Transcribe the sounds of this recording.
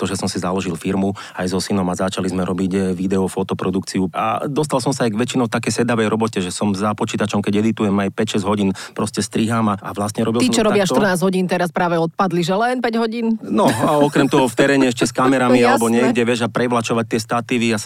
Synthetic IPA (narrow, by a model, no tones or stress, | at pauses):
t̪ɔʒɛsɔmsizalɔʒilfiɾmu | ajzɔsinɔmazat͡ʃalizmɛɾɔbiɟʋid̪ɛɔfɔt̪ɔpɾɔd̪ukt͡siua̰d̪ɔst̪alsɔmsaajɡʋɛt͡ʃinɔʊt̪akɛjsɛd̪aʋɛjɾɔbɔcɛʒɛsɔmzapɔt͡ʃiːt̪at͡ʃɔmkɛɟɛd̪it̪ujɛmajpɛcʃɛzɦɔɟiːnpɾɔscɛst̪ɾiɦaːmaa̰ʋlast̪ɲɛɾɔbilt̪it͡ʃɔɾɔbɪaʃt̪r̩naːzɦɔɟiːnt̪ɛɾaspɾaːʋɛɔt̪̚pad̪liʒɛlɛnpɛɟɦɔɟiːnnɔɔkɾɛmt̪ɔɦɔft̪ɛɾɛːɲɛɛʃcɛskamɛɾamialɛbɔɲɪɛɡɟɛʋɪɛʒapɾɛʋlat͡ʃɔʋac̚t̪ɪɛst̪at̪iʋias